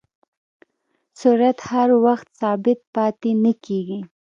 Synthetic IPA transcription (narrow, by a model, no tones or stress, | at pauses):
suɾat̪haɾwaxt̪sɑbɪt̪̚pɑt̪inəkeɡi